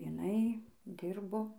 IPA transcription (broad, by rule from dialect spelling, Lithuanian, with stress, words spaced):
ɪˈnɐɪ ˈdʲɪrboː